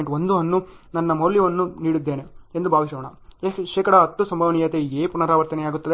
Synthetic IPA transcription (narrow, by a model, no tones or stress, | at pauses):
ʈond̪uɐnːunɐnːɐmɐːljɐʋɐnːuniːɽid̪ːeːneend̪ubʱaːʋiʃɐʋɐɳɐeʃɛːkɐɽɐɐt̪ːusɐmbʱɐʋɐɳijɐt̪eeːpunɐɾaːʋɐɾt̪ɐneaːɡut̪ːɐd̪e